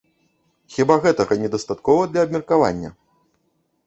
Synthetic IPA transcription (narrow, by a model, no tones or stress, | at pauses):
xʲibaɣɛt̪ɐɣɐnʲɛd̪ɐst̪at̪kɔvɐd̪lʲɐːbmʲɛrkava̰nʲːɐ̰